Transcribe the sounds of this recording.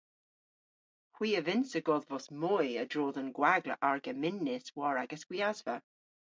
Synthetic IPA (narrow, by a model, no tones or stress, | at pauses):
hwiːəvɪnsəɡɔðvɔsmɔjədɹoːðənɡwaɡlə̰ʔaɹɡəmɪnːɪswɔɹaɡəsɡ̥wiazvə